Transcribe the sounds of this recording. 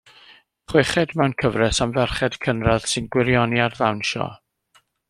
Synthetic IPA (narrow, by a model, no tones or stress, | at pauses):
χwɪχɛdmɛwnkʰəvrɛsamvɛrχɛd̥kʰənrað̥sɨnɡwɪɾjɔniarðawnʃɔ̰